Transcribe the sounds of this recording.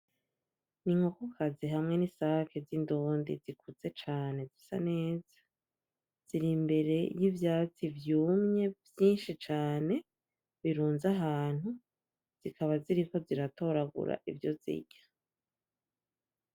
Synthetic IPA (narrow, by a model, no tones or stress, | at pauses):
niŋ̥hokokʰaziɦamŋe̞nisafizindoːndḭzikut͡se̞t͡ʃaːne̞zisa̰ne̞ːz̥ḁ | z̥iɾimbe̞ɾe̞jivjaːt͡sivjuːmɲe̞vjiːnʃit͡ʃaːne̞ | βiɾuːnzaɦaːn̥hu | z̥ikʰaβaziɾiko̞ziɾato̞ɾaɡṵɾa̰ʔivjo̞zḭɟḁ